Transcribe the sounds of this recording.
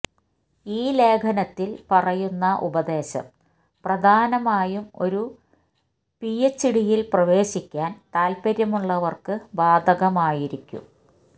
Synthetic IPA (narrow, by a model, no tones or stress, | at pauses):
iːle̞ːkʰɐnɐt̪ːilpɐrɐjunːɐʔṵbɐd̪e̞ːɕɐ̰m | prɐd̪ʱaːnɐmaːjumo̞̰ɾu | pijet͡ɕːiɽijilprɐʋe̞ːɕikʲːaːnt̪aːlpɐɾjɐmuɭːɐʋɐrkɨbaːd̪ʱɐɣɐmaːjiɾikʲːṵm